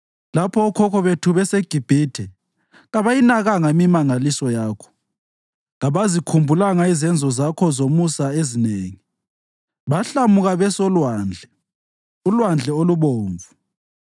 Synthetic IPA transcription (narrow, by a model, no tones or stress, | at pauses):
lapʰɔːkʰɔkɔβetʰuβɛseɡ̥ʱib̥ʱitʰɛ | ɣaβajinaɣaŋamimaŋalisɔjaːkʰɔ̥ | ɣaβazikʰumbʱulaŋaizɛnd͡zʱɔzakʰɔzomusaezineːŋi | βaɬamuɣaβɛsɔlwaːnd͡ɮʱɛ | ulwand͡ɮʱɛoluβoːɱvu